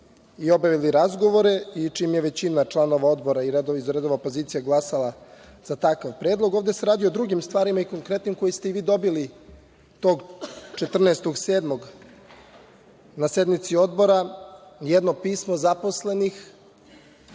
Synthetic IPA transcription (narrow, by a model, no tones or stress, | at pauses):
io̞bjaʋiliɾazɡo̞ʋo̞ɾe̞it͡ʂiːmjeʋe̞t͡ɕinat͡ʃlˠano̞ʋao̞d̪bo̞ɾaiɾed̪oizɾed̪oʋapoziːt̪sijaɡlˠasalˠaz̥at̪akaʋpɾe̞ːd̪lˠo̞ɡovd̪ese̞ɾaːd̪ijood̪ɾuɡimst̪ʋaːɾimaiko̞ŋkɾe̞t̪nimko̞jist̪e̞iʋiːd̪o̞bili | t̪o̞ːɡt͡ʃet̪r̩neːst̪o̞ɡse̞ːd̪mo̞ɡ | nased̪mit̪sio̞d̪bo̞ɾajɛd̪nopiːsmozapo̞sle̞nix